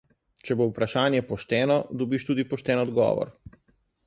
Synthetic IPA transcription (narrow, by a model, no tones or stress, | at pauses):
t͡ʃɛboupɾaʃaːnjɛpɔʃt̪ɛːnɔd̪ɔbiːʃt̪uːd̪ipɔʃt̪ɛːnɔd̪ɡɔ̰ːʋɔ̰ɾ